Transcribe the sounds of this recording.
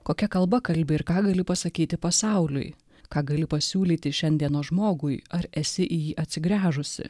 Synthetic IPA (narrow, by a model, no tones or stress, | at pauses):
koːkʲɛkɐlˠbɐkɐlʲbʲɪɪɾkɑːɡɐlʲɪpɐsɐkʲiːt̪ʲɪpɐsɑˑʊlʲʊ̰j | kɑːɡɐlʲɪpɐsʲuːlʲiːt̪ʲɪʃʲɛnʲd̪ʲiɛnoːʒmoːɡʊjɐɾɛsʲɪʔɪjiːʔɐt̪ʲsʲɪɡɾʲæːʒʊsʲɪ̰